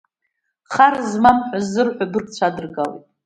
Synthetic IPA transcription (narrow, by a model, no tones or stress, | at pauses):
χarzmamħʷᶣazɨrħʷᶣadɨrkt͡ɕʷʰadɨrɡalḭtʼ